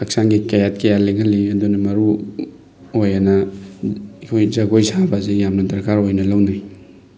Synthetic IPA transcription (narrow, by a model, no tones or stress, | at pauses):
ɐksaŋɡikajat̚kɐjaleɡɐliɐdunɐmɐɾu | ojanɐ | kʰojzɐɡojsabɐzejamnɐdɐɾkaɾojnɐlɐwnaj